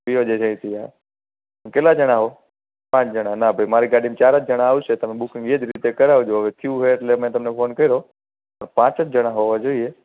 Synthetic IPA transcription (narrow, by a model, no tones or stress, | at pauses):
biod͡ʒesə̃ĩt̪ʰia̰ː | ənkeːlad͡ʒəɽ̃aːɦoː | pãːt͡ʃd͡ʒəɽanabʱəimaːɾiɡaːɗimt͡ʃaːɾət̪̚ʰd͡ʒəɽ̃aaːʋuset̪əmẽɓʊkɪ̃ŋɡiːəd͡ʒ̪ɾit̪ekəɾaːʋud͡ʒoəʋet̪ʰɪjũɦeʈlemẽːt̪əmnepʰoːnkəiɾoː | pəɳpãːt͡ʃət̪ʰd͡ʒəɽ̃ãɦoʋad͡ʒoːieː